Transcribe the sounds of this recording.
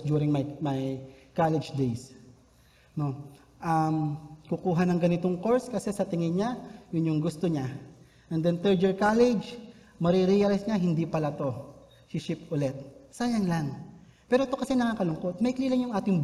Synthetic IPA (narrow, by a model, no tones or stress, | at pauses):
d̪juːɾɪŋmɐjmɐjkalɛd͡ʒd̪ejs | no̞ | ʔɐmkukuːɦɐnɐŋɡɐnɪt̪o̞ŋko̞ɹskɐsɛsɐt̪ɪŋɪɲajʊnjʊŋɡʊst̪oɲa | ʔɛnd̪ɛnt̪ɛɹd͡ʒɛɹkalɛd͡ʒ | mɐɾiɾijɐlɪjsɲaɦɪnd̪ipɐlat̪o̞ | sɪʃipʊlɛt̪̚saːjɐŋlaŋ | pɛːɾot̪o̞kɐsɛnɐŋaːkɐlʊŋko̞t̪̚mɐjkliːlɐŋjʊŋʔaːt̪ɪŋ